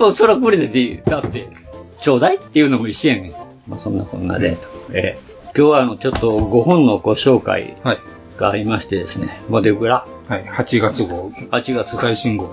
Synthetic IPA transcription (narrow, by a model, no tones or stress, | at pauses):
osoɾakɯɯɾʲed̪et̪id̪̥at̪ːe̞ | t͡ɕo̞ːd̪ait̪ːejɯ̟no̞mo̞iɕiẽɰ̃ | ma̰sõ̞nːakõ̞nːa̰d̪e̞̰ḛː | kʲo̞ːβaːno̞t͡ɕo̞t̪ːo̞ɡo̞hõ̞nːo̞ɡ̥o̞ɕo̞ːka̰ḭhai | ɡ̥aːɾʲimaɕi̥t̪e̞d̪e̞sɨne̞̰mod̪eɡɯ̟ɾa | haihat͡ɕiɡat͡sɨɡohat͡ɕiɡat͡sɨɡaiɕĩŋɡo